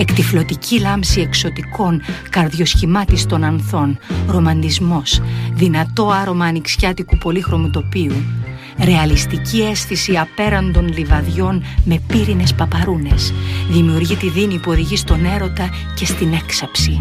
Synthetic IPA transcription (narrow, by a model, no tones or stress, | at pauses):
e̞kt̪iflo̞t̪icʰilɐmsie̞kso̞t̪iko̞ŋkɐɾðʝo̞sçimɐt̪ist̪o̞nɐnθo̞nɾo̞mɐnd̪izmo̞sðinɐt̪o̞ɐɾo̞mɐːniksçɐt̪ikupo̞lixɾo̞mɐt̪o̞piu | ɾe̞ɐlist̪icie̞sθisiɐpe̞ɾɐnd̪o̞nlivɐðʝo̞nme̞piɾine̞spɐpɐɾune̞sðimiuɾʝit̪iðinipuo̞ðiʝist̪o̞ne̞ɾo̞t̪ɐ | ce̞st̪ine̞ksɐpsi